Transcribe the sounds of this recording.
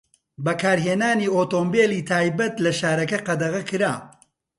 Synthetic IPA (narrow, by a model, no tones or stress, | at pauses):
bɐkaːɾɦeːnaːniːoːt̪oːmbeːliːt̪ʰaːjbɐt̪lɐʃaːɾɐkɐqɐd̪ɐʁɐkʰɨɾaː